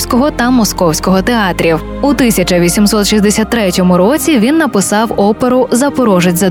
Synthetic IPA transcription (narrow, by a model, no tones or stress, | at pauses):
sʲkɔɦɔt̪ɐmɔskɔwsʲkɔɦɔt̪eɑt̪ɾʲiw | ut̪ɪsʲɐt͡ʃɐʋʲisʲimsɔt̪ʃizd̪esʲat̪ːɾɛtʲɔmʊɾɔt͡sʲiʋʲinːɐpɪsɑwɔpeɾʊzɐpɔɾɔʒɪtʲzɐ